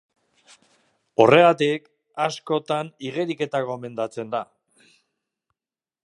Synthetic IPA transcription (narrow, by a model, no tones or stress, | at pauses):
o̞re̞ɣat̪ik | asko̞t̪aniɣ̞e̞ɾike̞t̪ako̞me̞nd̪at͡se̞nd̪a